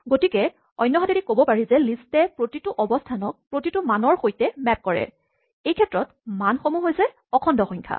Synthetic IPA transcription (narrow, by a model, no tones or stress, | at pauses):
ɡotikɛ | ɔjnːɔɦadedikobɔpaɹizɛlistɛpɹotitʊʔɔbɔstʰanɔk̚pɹotitʊmanɔɹxojtɛmɛp̚kɔɹɛ̰ | ejkʰɛtɹɔt | manxomuɦojzɛ | ɔkʰɔndɔxɔjɲkʰa̰